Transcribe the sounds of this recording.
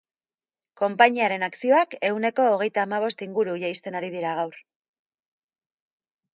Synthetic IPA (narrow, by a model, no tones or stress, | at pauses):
ko̞mpaɲiaɾe̞naksio̞ake̞wne̞ko̞ːɣe̞jt̪aːmaβ̞o̞st̪iŋɡuɾuʝejst̪e̞naɾiðiɾaɣ̞awɾ